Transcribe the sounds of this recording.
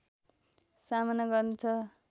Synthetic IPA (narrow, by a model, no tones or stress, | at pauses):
samanʌɡʌrnut͡sʰʌ